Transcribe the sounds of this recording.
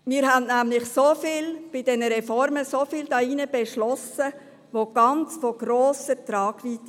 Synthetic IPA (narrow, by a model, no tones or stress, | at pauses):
mɪːɾɦænnæːmlɪxsofiːlb̥ɪdɛnəɾɛfɔɾməsofiːld̥ɑiːnəb̥ɛʃlɔsə | ʋoɡ̥ɑnt͡sfoɡ̥ɾoːsətɾɑːɡ̥ʋiːt̪